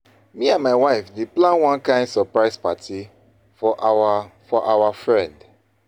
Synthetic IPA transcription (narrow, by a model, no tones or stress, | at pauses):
miãnmaɪwaɪfdeplãnwãnkãɪ̃ndsɔpɹaɪspatʰi | fɔʔfɔʔawafɹɛ̃nd